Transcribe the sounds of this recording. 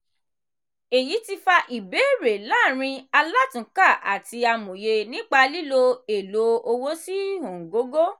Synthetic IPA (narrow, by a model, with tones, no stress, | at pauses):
e˨ji˨˦ti˧fa˧ʔi˨be˨˦˨ɾe˨la˦˨ɾ̃ĩ˧a˧la˦tũ˨˦ka˦˨ʔa̰˨ti˧a˧mõ˨je˧nĩ˦k͡pa˧li˦lo˧e˨lo˨˦o˧wo˦si˦hõ˨ɡo˨˦ɡo˦